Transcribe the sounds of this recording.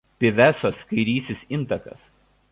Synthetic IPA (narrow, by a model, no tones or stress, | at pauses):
pʲɪʋʲæˑsoːskɐɪɾʲiːsʲɪsɪnˑt̪ɐkɐ̰s